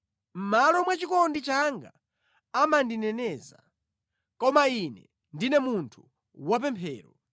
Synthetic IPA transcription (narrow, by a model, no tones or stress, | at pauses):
m̩malɔmwat͡ʃikɔndit͡ʃaŋɡa | amandinɛnɛːza | kɔmainɛ | ndinɛmuntʰu | wapɛmpʰɛːɾɔ